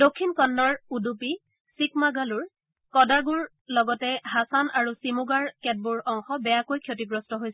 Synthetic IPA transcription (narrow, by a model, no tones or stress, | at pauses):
dokʰːinkɔnːɔɹudupi | sikmaɡaluɹ | kɔdaɡuɹ | lɔɡɔtɛɦasanaɹusimuɡaɹkɛt̚buɹɔŋxɔbɛjakojkʰjot̬iɡɹɔstɔɦojsɛ